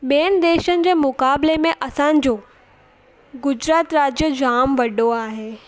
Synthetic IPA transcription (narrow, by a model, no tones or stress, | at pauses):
ɓiənɪ̆d̪eːʃənɪ̆d͡ʑeːmʊkaːblemẽʔɐsãːnɪ̆d͡ʑoː | ɡʊd͡ʑɾaːt̪ɾaːd͡ʑjəd͡ʑaːmʋɐɖoaːɦeː